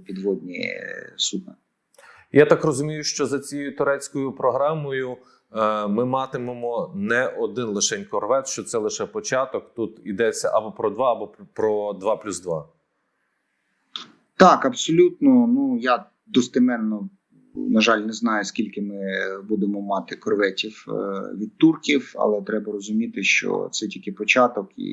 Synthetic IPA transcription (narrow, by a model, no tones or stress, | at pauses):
pʲid̪ʋɔd̪ʲnʲḭsʊd̪a̰ | jat̪ɑkrɔzʊmʲijʊʃt͡ʃɔzɐt͡sʲijjʊt̪ʊɾɛt͡sʲkɔjʊpɾɔɦɾɑmɔjʊ | mɪmɑt̪ɪmemɔnɛʔɔd̪ɪnlˠɪʃɛnʲkɔrʋɛt̪ʃt͡ʃɔt̪sɛlˠɪʃɛpɔt͡ʃɑt̪ɔkt̪ut̪id̪ɛt͡sʲːɐʔɐbɔpɾɔd̪ʋɑɐbɔpɾɔd̪ʋɑplʲuzd̪ʋɑ | t̪ɑkɐpsɔlʲut̪nɔnuja | d̪ɔst̪ɪmɛnːɔ | nɐʒɑlʲnɛznɑjʊskʲilʲkɪmɪbud̪emɔmɑt̪ɪkɔrʋɛtʲiwʋʲid̪̚t̪urkʲiwɐ̰lˠɛt̪ɾɛbɐɾɔzʊmʲit̪ɪʃt͡ʃɔ̰t̪sɛtʲikɪpɔt͡ʃɑt̪ɔkḭ